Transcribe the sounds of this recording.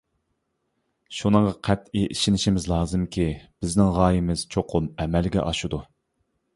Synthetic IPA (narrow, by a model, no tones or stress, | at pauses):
ʃunɨŋʁɑqʰæt̪iʔiʃinɪʃimɪzlˠɑːzɨmkʲʰib̥ɪznɪŋʁɑːjimɪz̥t͡ʃʰoqʰʊmɛmɛlɡʲɛ̰ʔɑʃud̪u